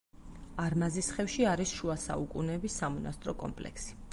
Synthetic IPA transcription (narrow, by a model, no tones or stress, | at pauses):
aɾmazisχɛfʃiaɾisʃuasa̰ukʼunɛbisamɔnast̪ʼɾɔkʼɔ̰mpʼlɛ̰ksi̥